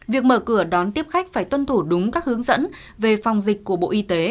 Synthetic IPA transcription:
vi˨˩ək̚məː˧˩kɨ˧˩əɗɔ˨˦nt̪i˦˥əp̚xa˦˥jk̟̚faː˧˩jt̪wə˧nt̪ʰu˧˩ɗʊ˨˦ŋ͡mkaː˦˥k̚hɨ˨˦əŋzə̰˧˥n | ve˨˩fa˨˩wŋ͡mzï˨˩k̟̚ʲku˧˩əɓo̰˧˨ʔi˧t̪e˨˦

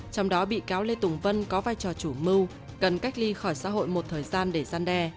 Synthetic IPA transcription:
t͡ɕɔ˧wŋ͡mɗɔ˨˦ɓḭ˧˨kaː˨˦wle˧t̪ʊ˨˩ŋ͡mvə˧nkɔ˨˦vaː˧jt͡ɕɔ˨˩t͡ɕu˧˩mɨ˧w | kə˨˩nka˦˥k̚li˧xɔ˧˩jsa̰ː˧˥ɦo̰˧˨jmo˨˩t̚t̪ʰəː˨˩jzaː˧nɗe˧˩zaː˧nɗɛ˧

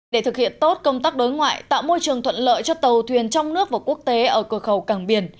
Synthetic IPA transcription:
ɗe˧˩t̪ʰɨ˨˩k̚hḭ˧˨ənt̪o˦˥t̚kə˧wŋ͡mt̪aː˦˥k̚ɗo˨˦jŋwa̰ː˧˨jt̪a̰ː˧˨wmo˧jt͡ɕɨ˨˩əŋt̪ʰwə̰˧˨nlə̰ː˧˨jt͡ɕɔ˧t̪ə˨˩wt̪ʰwi˨˩ənt͡ɕɔ˧wŋ͡mnɨ˦˥ək̚vaː˨˩ku˦˥ək̚t̪e˨˦ʔəː˧˩kɨ˧˩əxə˨˩wkaː˧˩ŋɓi˨˩ən

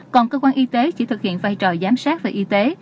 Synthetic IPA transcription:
kɔ˨˩nkəː˧kwaː˧nʔi˧t̪e˨˦t͡ɕi˧˥˩t̪ʰɨ˨˩k̚hḭ˧˨ənvaː˧jt͡ɕɔ˨˩zaː˨˦msaː˦˥t̚vaː˨˩ʔi˧t̪e˨˦

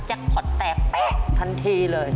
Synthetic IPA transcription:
t͡ɕa˦˥k̚hʰo˨˩t̚t̪ɛː˨˩k̚ːa˦˩t̪ʰa˧ŋt̪ʰi˧ləː˨˩j

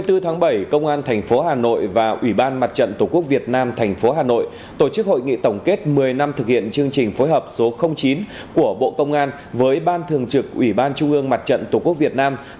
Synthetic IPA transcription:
jt̪ɨ˧t̪ʰaː˨˦ŋɓə˧˩jkə˧wŋ͡mʔaː˧nt̪ʰɛ˨˩jŋ̟fo˨˦ɦaː˨˩no̰˧˨jvaː˨˩ʔwi˧˩ɓaː˧nma˨˩t̚t͡ɕə̰˧˨nt̪u˨˩ku˦˥ək̚vi˨˩ət̚naː˧mt̪ʰɛ˨˩jŋ̟fo˨˦ɦaː˨˩no̰˧˨j | t̪o˧˩t͡ɕɨ˦˥k̚ho̰˧˨jŋḭ˧˨t̪ə˧˩wŋ͡mke˦˥t̚mɨ˨˩əjna˧mt̪ʰɨ˨˩k̚hḭ˧˨ənt͡ɕɨ˧əŋt͡ɕï˨˩ŋ̟fo˨˦jɦəː˨˩p̚so˨˦xə˧wŋ͡mt͡ɕi˨˦n | ku˧˩əɓo̰˧˨kə˧wŋ͡mʔaː˧n | vəː˨˦jɓaː˧nt̪ʰɨ˨˩əŋt͡ɕɨ˨˩k̚ʔwi˧˩ɓaː˧nt͡ɕʊ˧ŋ͡mʔɨ˧əŋma˨˩t̚t͡ɕə̰˧˨nt̪o˧˩ku˦˥k̚vi˨˩ət̚naː˧m

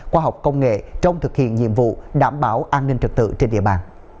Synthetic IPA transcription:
xwaː˧ɦɔ˨˩wk͡p̚kə˧wŋ͡mŋḛ˧˨t͡ɕə˧wŋ͡mt̪ʰɨ˨˩k̚hḭ˧˨ənɲḭ˧əmvṵ˧˨ɗaː˧˩mɓaː˨˦wʔaː˧nːï˧ŋ̟t͡ɕɨ˨˩k̚t̪ɨ̰˧˨t͡ɕe˧nɗḭ˧əɓaː˧˩n

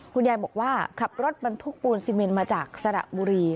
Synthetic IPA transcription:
kʰu˧njaː˧jbɔː˨˩k̚waː˥˩kʰa˨˩p̚ɾo˦˥t̪̚ba˧nt̪ʰu˦˥k̚puː˧nsiː˧me˧nmaː˧t͡ɕaː˨˩k̚sa˧da̰˨˩buː˧ɾiː˧

